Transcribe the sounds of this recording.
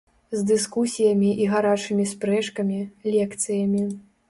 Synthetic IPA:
zd̪ɨskusʲijɐmʲiʔiɣaɾat͡ʂɨmʲispɾɛʂkɐmʲilʲɛkt̪sɨjɐmʲi

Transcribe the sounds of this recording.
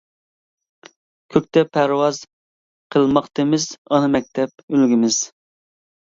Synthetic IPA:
kʲʰøk̚ʲt̪ɛpʰæɾwɑz̥ | qʰəlˠmɑχt̪ɨmɪzɑnɨmɛk̚ʲt̪ʰɛp̚ølɡʲimɪz̥

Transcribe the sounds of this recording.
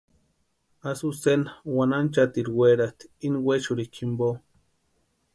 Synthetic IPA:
asusenawanant͡ʃat̪iɾweɾat̪i̥inweʃuɾikʰimbo

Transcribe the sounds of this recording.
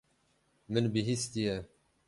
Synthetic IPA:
mənbiɦist̪ijɛ

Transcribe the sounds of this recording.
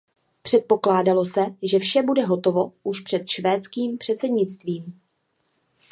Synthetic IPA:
pr̝̥ɛt̪̚po̞klaːdalo̞sɛʒɛfʃɛbudɛɦo̞t̪ovo̞ʔuʃpr̥ɛt̪ʃvɛːt͡skiːmpr̝̥ɛt̪t͡sɛdɲɪt͡st̪viːm

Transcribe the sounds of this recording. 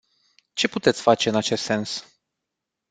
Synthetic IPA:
t͡ʃe̞put̪et̪sʲfat͡ʃe̞ɨnat͡ʃe̞st̪se̞ns

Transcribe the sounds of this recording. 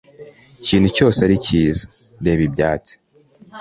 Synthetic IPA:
ciːn̥huco̞ːseaɾiciːzo̥ | deːβibɟaːt͡si̥

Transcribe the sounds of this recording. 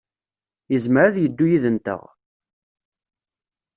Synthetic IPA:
jəzməɾaðjəd̪ːujiðənt̪ə̰ʁ

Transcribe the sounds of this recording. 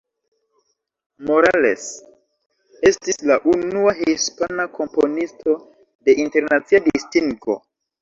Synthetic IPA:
mo̞ɾale̞̰s | e̞stislaʔunuaɦispanakʰo̞mpo̞nisto̞ | de̞ʔinte̞ɾnat͡siadistiŋɡo̞̰

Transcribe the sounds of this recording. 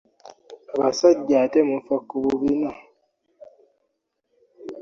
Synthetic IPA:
aβasaɟːatemufakːuβuβina

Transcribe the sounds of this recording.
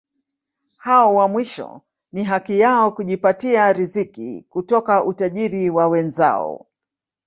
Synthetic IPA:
haɔwamwiʃɔ̰ | niɦakijaɔkuʄipatiaɾizikḭkutɔkaʔutaʄiɾiwawɛnza̰ɔ̰

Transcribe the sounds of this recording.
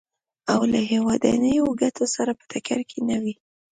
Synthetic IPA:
awlaɦewɑd̪a̰nəjoɡat̪ʰosaɾapə̥t̪ʰakaɾkʰenawi

